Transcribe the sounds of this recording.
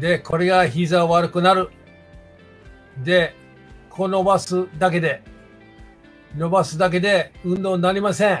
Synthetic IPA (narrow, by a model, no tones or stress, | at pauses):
d̪e̞ko̞ɾe̞ɡaçizaβaɾɯ̟kɯ̟naɾɯ̟ | d̪e̞ | kʰo̞no̞basɨd̪ak̬e̞d̪e̞ | no̞basɨd̪ak̬e̞d̪e̞ɯ̟̃nd̪õ̞ːnːaɾʲimasẽ̞